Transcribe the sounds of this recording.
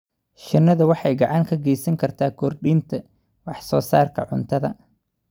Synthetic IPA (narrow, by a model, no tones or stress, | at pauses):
ʃɪnːɐðɐwɑħɑjɡɑʕɑŋkʰɐɡɛjsɐŋkʰɐrt̪ʰaːkʰɔrɖiːnt̪ʰɐ | wɑħsɔːsaːrkʰɐ̰ʕʊ̰nt̪ʰɐðɐ̰